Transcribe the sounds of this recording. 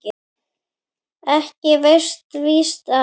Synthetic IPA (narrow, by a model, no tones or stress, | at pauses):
ɪ | ɛhcɪverst̪viːst̪a